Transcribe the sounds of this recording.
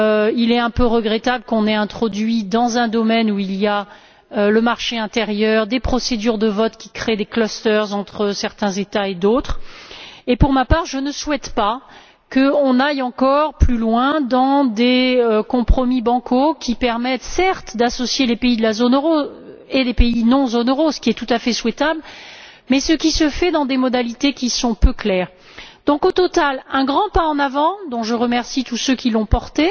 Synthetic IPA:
ilɛɛ̃pøʁəɡʁɛt̪abləkɔ̃nɛɛ̃t̪χɔd̪ɥid̪ɑ̃zɛ̃d̪ɔmɛnuilija | øləmaʁʃeɛ̃t̪eʁjœʁd̪epχɔsed̪yʁd̪əvɔt̪kʲi̥kχed̪eklɔst̪œʁzɑ̃t̪χəsɛʁt̪ɛ̃zet̪aed̪ot̪χ | epuʁmapaʁʒənəswɛt̪pa | kəɔ̃najɑ̃kɔʁplylwɛ̃d̪ɑ̃d̪eøkɔ̃pχɔmibɑ̃kʰokʲʰipɛʁmɛt̪sɛʁt̪d̪asɔsjelepeid̪əlazonøʁo | elepeinɔ̃zonøʁosə̥kʲiɛt̪ut̪afɛswɛt̪abl | mɛsəkʲisəfɛd̪ɑ̃d̪emɔd̪alit̪ekʲisɔ̃pøklɛːʁ | d̪̥ɔ̃kot̪ɔt̪alɛ̃ɡʁɑ̃paɑ̃navɑ̃d̪ɔ̃ʒəʁəmɛʁsit̪usøkʲilɔ̃pɔʁt̪e

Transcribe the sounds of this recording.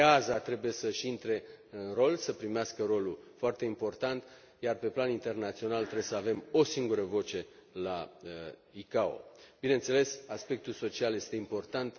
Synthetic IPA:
azat̪ɾe̞buje̞səʃint̪ɾe̞ɨnro̞lsəpɾimeaskəɾo̞lufoart̪e̞impo̞rt̪ant̪ | jarpe̞planint̪e̞rnat̪sio̞nalt̪ɾejesəave̞mo̞siŋɡuɾəvo̞t͡ʃe̞la | ikao̞̰b̥inent̪se̞le̞saspe̞k̚t̪ulso̞t͡ʃialje̞st̪eimpo̞rt̪ant̪

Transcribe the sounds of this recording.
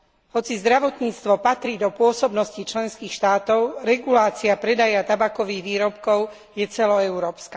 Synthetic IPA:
ɦɔt͡sizd̪ɾaʋɔt̪ɲiːt͡st̪ʋɔpat̪ɾiːd̪ɔpʊɔsɔbnɔscit͡ʃlɛnskiːxʃt̪aːt̪ɔʊɾɛɡulaːt͡siapɾɛd̪ajat̪abakɔʋiːɣʋiːɾɔpkɔʊ | jɛt͡sɛlɔɛʊɾɔːpska

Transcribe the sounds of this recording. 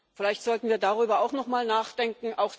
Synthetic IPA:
fɪlaɪçtz̥ɔltn̩viːɐdaʁyːbɐaʊxnɔχmaːlnaːχd̥ɛŋkŋ̩ʔaʊx

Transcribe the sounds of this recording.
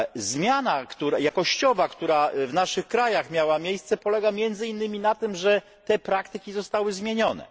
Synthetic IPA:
zmʲjanakt̪uɾajakɔɕt͡ɕɔvakt̪uɾavnaʂɘxkɾajaxmʲjawamʲjejst̪sɛpɔlɛɡamʲjɛnd̪zɘinːɘmʲinat̪ɘmʐɛ | t̪ɛpɾakt̪ɘkʲizɔst̪awɘzmʲjeɲɔnɛ̰

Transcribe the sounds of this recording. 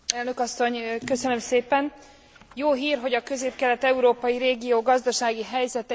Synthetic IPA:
ɛlnø̞kɒsːo̞ɲkø̞sønø̞mseːpɛn | joːɦiːrɦo̞ɟɒkø̞zeːp̚kɛlɛt̪ɛuɾoːpɒjiɾeːɡijoːɡɒzd̪ɒʃaːɡiɦɛjzɛt̪ɛ

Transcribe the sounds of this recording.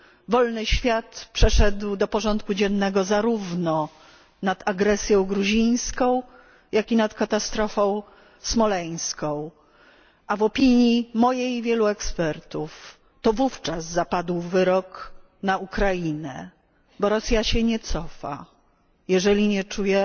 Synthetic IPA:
vɔlnɘɕfʲjat̪pʂɛʂɛd̪wd̪ɔpɔʐɔnt̪̚kud͡ʑɛnːɛɡɔzaɾuvnɔ | nad̪aɡɾɛsʲjɔ̃w̃ɡɾuʑij̃skɔ̃w̃ | jakʲinat̪kat̪ast̪ɾɔfɔ̃w̃ | smɔlɛj̃skɔ̃w̃ | ʔavɔpʲiɲjimɔjejvʲjɛluɛkspɛɾt̪uf | t̪ɔvuft͡ʂazzapad̪wvɘɾɔk | naukɾajinɛ̰ | bɔɾɔsʲjaɕɛɲɛt̪sɔfa̰ | jɛʐɛlʲiɲɛt͡ʂujɛ

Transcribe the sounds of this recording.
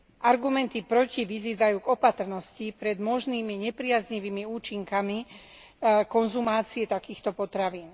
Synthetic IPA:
ʔaɾɡumɛnt̪ipɾɔciʋiziːd̪ajuːɡɔpat̪r̩nɔscipɾɛd̪mɔʒniːmiɲɛpɾɪazɲiʋiːmiuːt͡ʃiŋkami | kɔnzumaːt͡siɛt̪akiːxt̪ɔpɔt̪ɾaʋiːn

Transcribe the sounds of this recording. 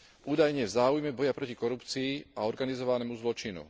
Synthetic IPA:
uːd̪ajɲɛvzaːujmɛbɔjapɾɔcikɔɾupt͡siːaɔɾɡanizɔʋanɛːmuzlɔt͡ʃinṵ

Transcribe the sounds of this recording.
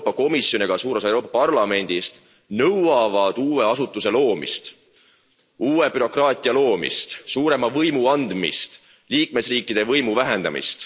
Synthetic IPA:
pːˑɑko̞misjo̞niɡ̥ɑsuːɾesewɾo̞ːpːˑɑpɑrlɑme̞nʲd̪̥ist̪ | nɤwɑvɑd̪̥uːwe̞ɑsut̪ːˑuse̞lo̞ːmḭst̪ | uːwe̞byɾo̞krɑːt̪ʲːˑiɑlo̞ːmḭst̪suːɾe̞mɑvɤjmuɑnd̪mḭst̪ | liːk̚me̞sriːkːˑid̪̥e̞vɤjmuvæɦe̞nd̪ɑ̰mḭst̪

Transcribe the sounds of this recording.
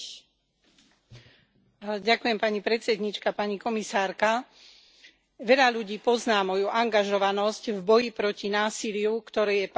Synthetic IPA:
ɟakujɛmpaɲipɾɛt̪t͡sɛd̪ɲit͡ʃkapaɲikɔmisaːɾka | ʋɛʎaʎuɟiːpɔznaːmɔjuʔaŋɡaʒɔʋanɔscvbɔjipɾɔcinaːsilɪukt̪ɔɾɛːjɛp

